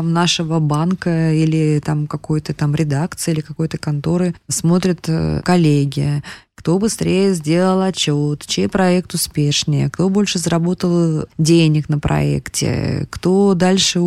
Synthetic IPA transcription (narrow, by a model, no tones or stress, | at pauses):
amnaʂəvəbankəilʲɪt̪amkɐkojt̪ət̪amɾʲɪd̪akt̪sɨilʲɪkɐko̞jt̪əkɐnt̪o̞ɾɨsmo̞t̪ɾʲət̪kɐlʲeɡʲɪkt̪o̞bɨst̪ɾʲʔejəzʲdʲe̞lˠəlˠɐt͡ɕːot̪t͡ɕejpɾɐɛk̚t̪ʊspʲeʂnʲɪjə̰kt̪o̞bo̞lʲʂɨzəɾɐbo̞t̪əlˠdʲenʲɪknəpɾʔɐ̰ɛ̰ktʲɪ̰kt̪o̞d̪alʲʂɨ